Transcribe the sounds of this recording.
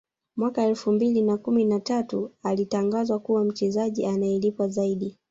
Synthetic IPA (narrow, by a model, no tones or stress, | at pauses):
mwakaɛlfumbilinakuminatatualitaŋɡazwakuwam̩t͡ʃɛzaʄiʔanaɛlipwazaiɗi